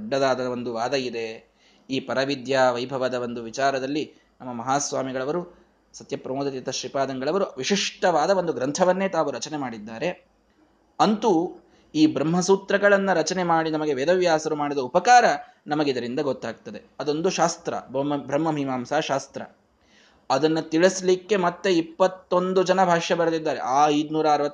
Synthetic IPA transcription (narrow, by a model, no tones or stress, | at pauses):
ɖːɐd̪aːd̪ɐʋond̪uʋaːd̪ɐid̪e̞ | iːpɐɾɐʋid̪jaʋɐjbʱɐʋɐd̪ɐʋond̪uʋit͡ʃaːɾɐd̪ɐlːi | nɐmːɐmɐɦaːsʋaːmiɡɐɭɐʋɐɾu | sɐt̪jɐpɾɐmoːd̪ɐt̪it̪ɐʃɾipaːd̪ɐŋɡɐɭɐʋɐɾuʋiʂiʂʈɐʋaːd̪ɐʋond̪uɡɾɐnt̪ʰɐʋɐnːe̞ːt̪aːʋuɾɐt͡ʃɐnemaːɽid̪ːaːɾe̞ | ɐnt̪u | iːbɾɐmɦɐsuːt̪ɾɐɡɐɭɐnːɐɾɐt͡ʃɐne̞maːɽinɐmɐɡe̞ʋeːd̪ɐʋjaːsɐɾumaːɽid̪ɐupɐkaːɾɐ | nɐmɐɡeid̪ɐɾind̪ɐɡot̪ːaːɡ̚t̪ɐd̪e̞ɐd̪o̞nd̪uʃaːst̪ɾɐ̰bɐmɐbʱɾɐmːɐmʱimaːmsaːʃaːst̪ɾɐ̰ | ɐd̪ɐnːɐt̪iɭɐslikːe̞mɐt̪ːeipːɐt̪ːo̞nd̪ud͡ʒɐnɐbʱaːʂjɐbɐɾɐd̪id̪ːaːɾḛʔaːɐjd̪nuːɾɐːɾʋɐt̪ː